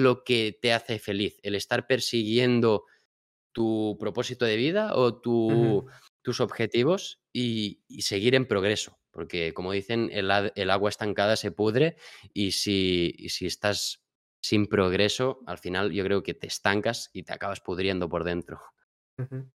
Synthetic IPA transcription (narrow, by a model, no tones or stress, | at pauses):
lo̞ke̞t̪e̞aθe̞fe̞liθe̞le̞st̪aɾpe̞ɾsiɣ̞je̞nd̪o̞ | t̪upɾo̞po̞sit̪oðe̞β̞ið̞aot̪u | t̪uso̞βxe̞t̪iβ̞o̞s | ise̞ɣ̞iɾe̞mpɾo̞ɣ̞ɾe̞so̞̥po̞ɾke̞ko̞moð̞iθe̞nelaelaɣwaest̪aŋkað̞ase̞puðɾe̞isḭsiest̪asː | impɾo̞ɣ̞ɾe̞so̞a̰lfinalʝo̞kɾe̞oke̞t̪e̞st̪aŋkasit̪ea̰kaβ̞aspuðɾje̞nd̪o̞po̞ɾðe̞nt̪ɾo̞